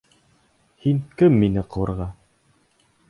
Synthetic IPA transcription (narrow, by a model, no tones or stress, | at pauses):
hiŋkɘmːinɘqɤ̆wɤ̆ɾʁɑ